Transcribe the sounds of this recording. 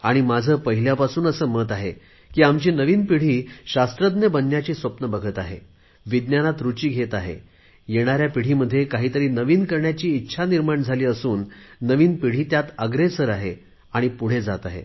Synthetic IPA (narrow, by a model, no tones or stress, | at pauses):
aɽ̃imad͡zʱəːpəɦiljapasuːnəsəːməːt̪aɦe | kiːamt͡ɕiːnəʋiːnpiɽ̤iːɕast̪ɾəd̪njəbənːjat͡ɕiːsʋəpnəbəɡʱət̪aɦḛ | ʋid̪njanat̪ɾut͡ɕiːɡʱet̪aɦḛ | jeɽ̃aɾjapiɽ̤iːməd̪ʱːjekaɦiːt̪əɾiːnəʋiːnkəɾɳjat͡ɕiːtːɕʰaniɾmaɳd͡zʱaliːəsuːnːəʋiːnpiɽ̤iːt̪jat̪əɡɾesəɾaɦe | aɽ̃ipuɽ̤ed͡zat̪aɦḛ